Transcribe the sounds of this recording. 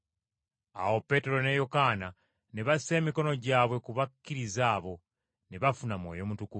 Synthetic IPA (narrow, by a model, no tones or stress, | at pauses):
a̰wo̞pe̞ːte̞ɾo̞ne̞jokaːna | neβasi̥se̞ːmiko̞no̞ɟaːβwe̞kuβakːiɾizaːβo̞ | neβafunamwo̞̰jo̞mutuku